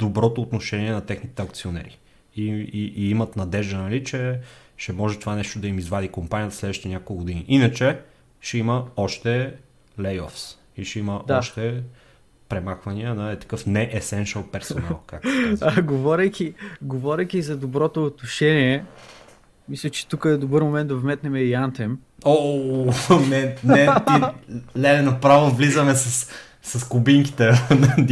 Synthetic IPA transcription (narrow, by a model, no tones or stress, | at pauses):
d̪̥obɾɔt̪oːt̪noʃɛniɛnɐt̪ɛxnit̪ɛɐk̚t̪sionɛ̰ɾḭ | iiʔiimɐt̪nɐd̪ɛʒd̪ənɐlit͡ʃɛʃɛmɔʒɛt̪ovanɛʃt̪od̪ɐimizvad̪ikompanʲiət̪slɛd̪vəʃi̥t̪ɛnʲakolˠkɡod̪iniʔinət͡ʃɛ | ʃɛiməɔʃt̪ɛ | lɛjɔ̰fs | iʃɛiməʔd̪ɔʃt̪ɛ | pɾɛmaxvɐniənɐɛt̪ɐ̥kɤfnɛʔɛsɛnʃəlˠpɛɾsona̰lˠkakaɡovɔɾʲɐjkʲiɡovɔɾʲɐjkʲizɐd̪obɾɔt̪oːt̪noʃɛniɛ | mislʲət͡ʃɛ̥t̪ukəɛd̪obɤɾmomɛnt̪d̪ɐvmɛt̪nɛmɛiant̪ɛm | o | nɛnɛt̪ilɛlɛnopɾavovlizəmɛsɐs | sɐskubiŋki̥t̪ɛn